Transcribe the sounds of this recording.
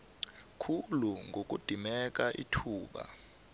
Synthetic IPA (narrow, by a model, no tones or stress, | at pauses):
kʰuluŋɡok̬ʼud̥ʱimɛk̬ʼaʔitʰuːɓa̰